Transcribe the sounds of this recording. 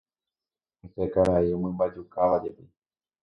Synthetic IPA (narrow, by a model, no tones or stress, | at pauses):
et̪ekaɾaiomɨ̃mbad͡ʒukaʋad͡ʒepi